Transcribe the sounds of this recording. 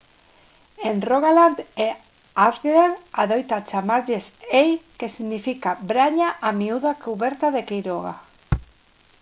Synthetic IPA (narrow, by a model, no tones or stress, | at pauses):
enroɣaland̪e | aɾɣleɾaðojt̪at͡ʃamaɾʎesejkesiɣnifikabɾaɲaʔamiuðakuβeɾt̪aðekejɾoɣa̰